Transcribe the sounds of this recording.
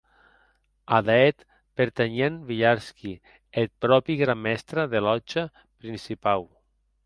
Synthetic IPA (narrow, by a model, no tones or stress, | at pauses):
aðaɛt̪ | peɾt̪eɲenβiʎaɾski | et̪̚pɾɔpiɣɾamːɛst̪ɾaðelɔt͡ʃa | pɾinsipaw